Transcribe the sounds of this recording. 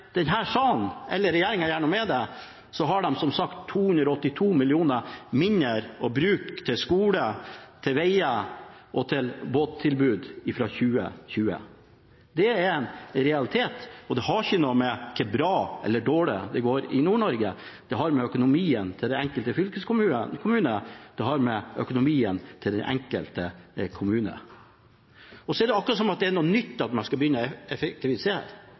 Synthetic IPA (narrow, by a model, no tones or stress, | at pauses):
d̪̥ɛnɦæːʂɑːnʔɛlːəɾɛjeːɾɪŋæɾjæːɳəmɛd̪ɛ | sɔɦɑɖɛmsɔmsɑkt̪ʰːuːhʉnd̪ɾɔɔt̪ːɪt̪ʰuːmɪlɪuːnəmɪɲːəɾɔbɾʉːkt̪ʰɪlskuːlət̪ʰɪlʋɛɪəʔɔt̪ʰɪlboːt̪ʰːɪlbʉːd̪ɪfɾɑçʉːə̰çʉːə̰ | d̪ɛæɾɛnɾɛɑlɪt̪ʰeːt̪ɔd̪ɛɦɑɾɪçːənoːmɛkʰːəbɾɑːɛ̰lːəɖoːɭɪd̪ɛɡoːɾɪ̰nuːɳɔɾɡə | d̪̥ɛɦɑɾmɛœkʊnʊmiːənt̪ʰɪld̪ɛɛŋkəlt̪əfʏlkəskʊmʉəkʰʊmʉːnəd̪̥ɛɦɑɾmɛʔœkʊnʊmiːənt̪ʰɪld̪ɛnʔɛ̰ŋkəlt̪əkʰʊmʉːnə̰ | ɔsɔɛɖ̪ɛɑkːɾɑsɔmɑt̪̚d̪ɛɛɳuːnʏt̪ːɑt̪mɛskɑbəjʏnːəɛfɛk̚t̪ɪʋɪseːɾ